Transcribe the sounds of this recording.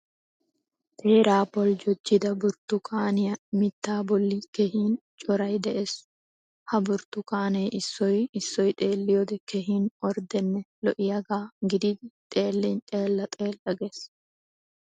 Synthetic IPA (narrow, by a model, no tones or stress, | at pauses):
t̪ʰʼe̞ːɾaːpɔld͡ʒɔd͡ʒːɪd̪ɐbʊɾt̪ːʊkʰʼaːnɪjɐmɪt̪ːaːbɔlːikɛhiːnt͡ʃʼɔɾɐjd̪ɛʔeːs | hɐbʊɾt̪ːʊkaːnɛjʔɪsːɔjɪsːɔjt̪ʼeːlːɪjɔd̪ɛkɛɦiːnɔɾd̪ɛnːɛlɔʔɪjɐɡaːɡɪd̪ɪd̪ɪt̪ʼeːlːɛnt̪ʼe̞ːlːɐt̪ʼe̞ːlʔɐɡes